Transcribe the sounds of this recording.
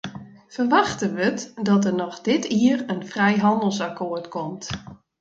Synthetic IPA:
fərʋaxtənʋətdɔt̬ərnɔxdɪtʰiərənfrɛjɦɑndəl̩ˠsakʰoərtkʰɔmt

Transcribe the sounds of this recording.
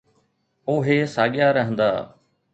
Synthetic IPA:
oːɦeːsaːɠɪjaːɾəɦə̃nd̪a̰ː

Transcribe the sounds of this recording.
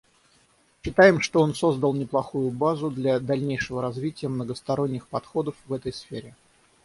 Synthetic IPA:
ɕːɪt̪ajɪmʂt̪oo̞nso̞zd̪əlˠnʲɪplˠɐxujʊbazʊd̪lʲad̪ɐlʲnʲejʂɨvəɾɐzvʲitʲɪjəmnəɡəst̪ɐɾo̞nʲːɪxpɐt̪xo̞d̪əfvɛt̪əjsfʲeɾʲɪ

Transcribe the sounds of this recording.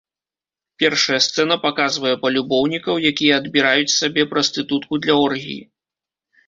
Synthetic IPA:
pʲɛrʂɐjɐst̪sɛnɐpakazvɐjɛpɐlʲubɔwnʲikɐwjakʲijɛːd̪bʲiɾajut͡sʲsabʲɛpɾɐst̪ɨt̪ut̪kud̪lʲɐɔrɣʲḭjḭ

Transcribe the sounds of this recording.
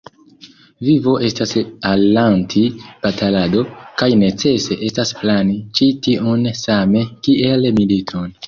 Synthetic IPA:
vivo̞ʔe̞stasallantʰib̥atalado̞kajne̞t͡se̞se̞ʔe̞stasplanit͡ʃitionsame̞kiʔe̞lmilitʰon

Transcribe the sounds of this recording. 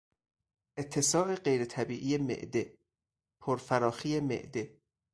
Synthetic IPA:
ʔet̪ʰːe̞sɒːʔe̞ɢejɾet̪ʰæbiːʔijemḛʔd̪e | pʰoɾfæɾɒːxiːjemḛʔd̪e

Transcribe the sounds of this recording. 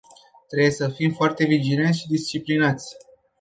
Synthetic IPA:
t̪ɾebjesəfimfoart̪e̞vid͡ʒile̞nt̪ʃid̪ist͡ʃiplinat̪sʲ

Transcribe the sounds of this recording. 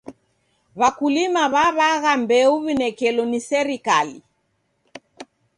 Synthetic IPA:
βakulimaβaβaɣambɛuβinɛkɛlɔnisɛɾikali

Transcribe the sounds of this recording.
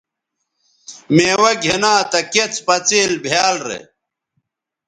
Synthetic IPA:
meːwɐɡʱenaːt̪ɐket͡spɐt͡siːlbʱjaːlɾḛ

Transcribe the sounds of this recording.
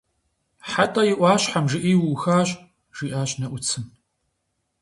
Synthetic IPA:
ħatʼɐjɪʔʷɑːɕħamʒɪʔiːwuxaːɕʼ | ʒ̥iːʔaːɕnɐʔʷʊt͡sʰɨn

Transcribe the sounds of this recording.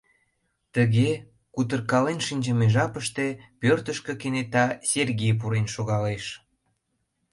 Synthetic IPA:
t̪əɣe | kut̪ərkɑlenʃinʲd͡ʑəmeʒɑpəʃt̪e̽pørt̪əʃkə̆kenet̪ɑsʲerɣijp̬uɾenʃoɣɑleʃ

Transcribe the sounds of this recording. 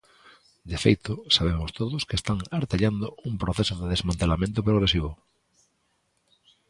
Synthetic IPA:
d̪efḛjt̪osaβ̞emost̪oðoskest̪aŋaɾt̪eʎand̪oumpɾoθesoðeðezmãnt̪elamẽnt̪opɾoɣɾesiβ̞o

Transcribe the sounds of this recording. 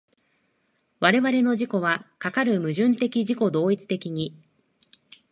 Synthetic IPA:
βaɾe̞βaɾe̞no̞ʑiko̞βakakaɾɯ̟mɯ̟ʑɨ̃nt̪e̞kʲiʑiko̞d̪o̞ːit͡sɨ̥t̪e̞kʲiɲ̟i

